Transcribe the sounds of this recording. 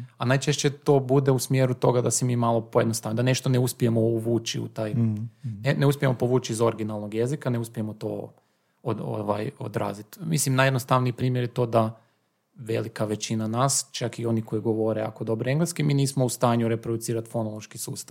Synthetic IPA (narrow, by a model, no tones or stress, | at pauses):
anajt͡ʃeʃt͡ɕet̪o̞ːbud̪eusmjeːɾut̪o̞ɡad̪asemiːmalˠo̞pojed̪nost̪aʋnod̪ane̞ʃt̪o̞ne̞uspije̞mo̞uʋuːt͡ʃiṵt̪aːjneneuspʲjemo̞po̞ʋuːt͡ʃizo̞ɾɡinalˠnoɡje̞zikaneuspiemo̞t̪o̰ː | oo̰ʋa̰jo̰d̪ɾa̰ːzit̪mislimnajed̪nost̪aʋniːpɾiːmjeɾjet̪o̞ːd̪a | ʋe̞̰likaʋe̞t͡ɕinanaːst͡ʃakio̞niko̞jiɡo̞ʋo̞ɾea̰ko̞d̪o̞bɾoeŋɡlˠeskimiːniːsmoust̪aːɲuɾe̞pɾod̪ut̪siːɾat̪fo̞nolˠoʃkisṵːst̪aʋ